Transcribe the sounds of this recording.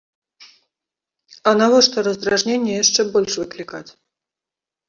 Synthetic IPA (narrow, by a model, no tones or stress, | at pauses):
ɐnavɔʂt̪ɔɾɐzd̪ɾaʐnʲenʲːɛjaʂt͡ʂɛbɔlʲʂvɨklʲikat͡sʲ